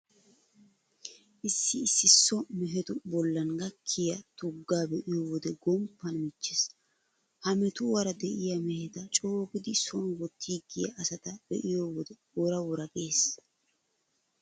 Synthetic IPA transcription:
ʔɪsːɪːsːɪsːɔmɛɦɛt̪ʊbɔlːɐnɡɐkʰːɪjɐt̪ʊɡːaːbɛʔɪjoːwɔd̪ɛɡɔmpːɐnmɪt͡ʃːɪs | hɐmɛt̪ʊwɐɾɐd̪ɛʔɪjɐmɛhɛt̪ɐt͡ʃʼoːkɪd̪ɪsɔnwɔt̪ʰːiːɡɪjɐ̰ʔːsɐt̪ɐb̥ɛ̰ʔɪjoːwɔd̪ɛ | wɔɾɐwɔɾɐɡeːs

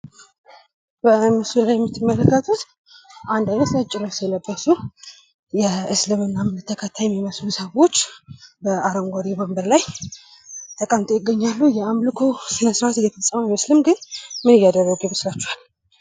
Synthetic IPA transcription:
b̥əmɨsulajɛmːɨt̪ʰːɨmːələkːət̪ʰut̪ | ʔand̪ajmət̪ət͡ʃʼːɪnəsjɛləbːəsu | jɛɨslɨmɨnːamɨnɨt̪ʰːəkʰət̪ʰːajɛmːiməslusəwot͡ʃːbəaɾəmɡʷaɾibəmbəɾlaj | t̪ʰəkʼamt̪ʰʼojɪɡːəɲːalːujɛamlɨkʰosɨnəsɾaat̪ɪjɛfəsʼəməmiməslɨmɡɨnmɨnɨjːad̪ərːəɡeβɨslat͡ʃːuhal

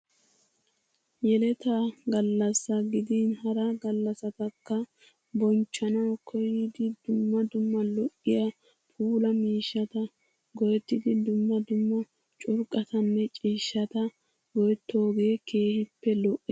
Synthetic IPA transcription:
jɛlɛt̪aɡɐlːɐsːɐɡɪd̪iːnhɐɾɐɡɐlːɐsɐt̪ɐkːɐ | bɔnt͡ʃːɐnɐwkʰɔjɪd̪ɪd̪ʊmːɐd̪ʊmːɐlɔʔːɪjɐ | pʰuːlɐmiːʃːɐt̪ɐ | ɡɔjɛt̪ːɪd̪ɪd̪ʊmːɐd̪ʊmːɐ | t͡ʃʼʊɾkʼɐt̪ɐnːɛt͡ʃʼiːʃːɐt̪ɐ | ɡɔjɛt̪ːo̞ːɡe̞ːkʰe̞ːhɪpːɛlɔʔːɛ

